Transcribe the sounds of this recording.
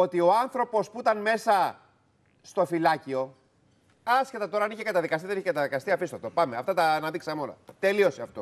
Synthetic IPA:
o̞t̪ioɐnθɾo̞po̞spuit̪ɐnme̞sɐ | st̪o̞filɐcio̞ | ɐsce̞t̪ɐt̪o̞ɾɐɐniçekɐt̪ɐðikɐst̪iðeniçekɐt̪ɐðikɐst̪iɐfist̪o̰ft̪opɐmeɐft̪ɐt̪ɐːnɐðiksɐmeo̞lɐ̰t̪e̞lio̞seɐft̪o̞

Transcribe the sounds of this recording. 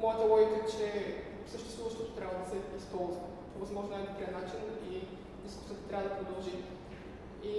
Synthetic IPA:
mɔjət̪əlˠɔjik̪ət͡ʃɛ | səʃt̪ɛst̪vuvɐʃt̪ot̪o̥t̪ɾʲavəd̪ɐsɛispɔlˠzvə | ovɐzmɔʒnoɛnapɾɛnat͡ʃini | d̪isku̥sʲət̪o̥t̪ɾʲavəd̪ɐpɾod̪ɐlˠʒi | i

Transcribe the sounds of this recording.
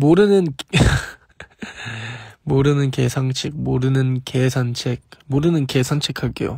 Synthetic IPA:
moɾɯnɯn | moɾɯnɯnke̞sʰaŋt͡ɕʰik̚moɾɯnɯnkesʰant͡ɕʰek̚moɾɯnɯnkesʰant͡ɕʰekʰaɭk͈ḛjo̰

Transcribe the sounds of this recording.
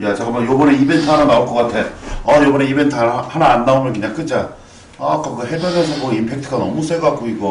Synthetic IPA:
jat͡ɕakɯmbʌnjobʌneibentʰɯɦananaoɭk͈ʌk͈atʰe̞ʌjobʌneibentʰɭhanaːnːaomjʌnkɯɲaŋk͈ɯd͡ʑaː | k͈akɯɦebjʌnesʰʌɡoɡimpʰe̞k̚tʰɯɡanʌ̰mus͈ʰeɡak͈oiɡo

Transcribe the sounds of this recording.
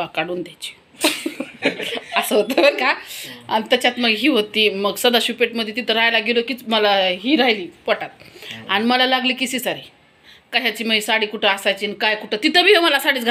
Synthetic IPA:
akaɽuːnd̪jajt͡ɕi̥ | əsəɦot̪əkaa̰ɽ̃it̪ət͡ɕat̪məɡɦiːɦot̪ːiməɡsəd̪aɕupeʈməd̪ʱːjet̪it̪əɾajlaɡelokiːt͡sməlaɦiːɾajliːpəʈat̪̚aɽ̃iməlalaɡliːkisiːsaɾi | kəɕat͡ɕiːməisaɽiːkuʈʰeasajt͡ɕinkajkuʈʰət̪it̪əbʱiːɦeməlasaɽiːt͡sɡʱa

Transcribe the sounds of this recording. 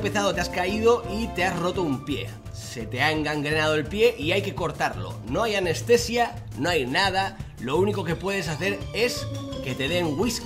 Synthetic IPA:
pe̞θaðo̞t̪easkaið̞o̞it̪e̞asro̞t̪oumpje̞̰ | se̞t̪e̞aeŋɡaŋɡɾe̞nað̞oelpje̞ʔiajke̞ko̞ɾt̪aɾlo̞̰no̞ajane̞st̪e̞sja | no̞ajnað̞a | lo̞uniko̞ke̞pwe̞ð̞es̬aθe̞ɾe̞ske̞t̪e̞ðe̞ŋɡwis

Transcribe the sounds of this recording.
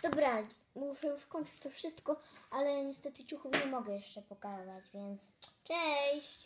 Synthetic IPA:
d̪̥ɔbɾa | muʂɛjuʂkɔɲʲt͡ʂɘ̥t͡ɕt̪ɔfʂɘst̪kɔʔalɛɲɛst̪ɛt̪ɘt͡ɕuxufɲɛmɔɡɛjɛʂt͡ʂɛpɔkazad͡ʑvʲjɛnt̪st͡ʂɛɕɕt͡ɕ

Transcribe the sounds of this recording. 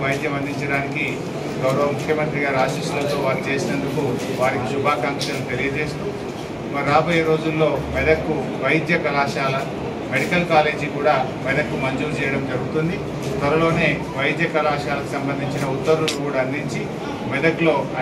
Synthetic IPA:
ɐjd̪jɐmɐnd̪iɲt͡ʃɐɽaːniki | ɡɐwɾɐʋɐmukʰːjɐmɐnt̪ɾiɡaːɾiaːʃiːsulɐt̪o̞ːʋaːɾit͡ʃe̞ːsinɐnd̪uku | ʋaːɾikisubʱaːkaːŋkʂɐnːut̪e̞lijɐd͡ʒe̞ːst̪u | mɐɾaːbɐjɐɾo̞ːd͡ʒulːo̞ːmɛd̪ɐkːuʋɐjd̪jɐkɐlaːʃaːlɐ | meɽikɐlkaːle̞ːd͡ʒikuːɽaː | mɛd̪ɐkːumɐɲd͡ʒuːɾt͡ʃɛːjɐɽɐmd͡ʒɐɾuɡut̪und̪i | t̪ʋɐɾɐlo̞ːne̞ː | ʋɐjd̪jɐkɐlaːʃaːlɐku̥sɐmbɐnd̪ʱiɲt͡ʃinɐut̪ːɐɾulukuːɽaːɐnd̪iɲt͡ʃi | mɛd̪ɐklo̞ːɐ

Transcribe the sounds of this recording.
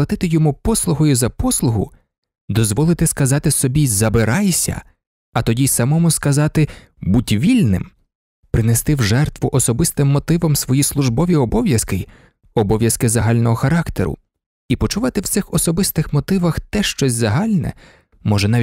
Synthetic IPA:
ɐt̪ɪt̪ɪjɔmupɔslˠʊɦɔjʊzɐpɔslˠʊɦʊ | d̪ɔzʋɔlˠɪt̪ɪskɐzɑt̪ɪsɔbʲizɐbɪɾɑjsʲɐ̰ | ɐt̪ɔdʲisɐmɔmʊskɐzɑt̪ɪ | butʲʋʲilʲnɪ̰m | pɾɪnest̪ɪwʒɛrt̪ʋʊʔɔsɔbɪst̪ɪmːɔt̪ɪʋɔmsʋɔjislˠʊʒbɔʋʲiɔbɔʋʲjɐskɪ | ɔbɔʋʲjɐskɪzɐɦɑlʲnɔɦɔxɐɾɑkt̪eɾʊ̰ | ipɔt͡ʃʊʋɑt̪ɪwt̪sɪxɔsɔbɪst̪ɪxmɔt̪ɪʋɐxt̪ɛʃt͡ʃɔsʲzɐɦɑlʲnɛ̰ | mɔʒɛnɑ

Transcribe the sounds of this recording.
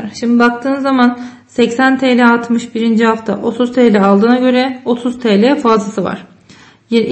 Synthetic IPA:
ɾʃimd̪ibak̚t̪ʰɯːnzːaman | sɛcsænt̪ʰeːlʲɛat̪mɯʃbiɾind͡ʒiɦaft̪ʰa̰ʔo̞t̪ʰuz̥t̪ʰɛːlʲɛalˠd̪ɯːnaɟø̞ɾɛo̞t̪ʰuzt̪ʰɛlʲɛfazlˠasɯva̰ɾ̥ | ji

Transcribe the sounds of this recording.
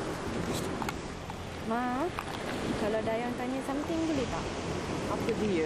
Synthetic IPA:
ma | kaladajaŋt̪aɲasamt̪ɪŋbəlet̪ah | apədiə

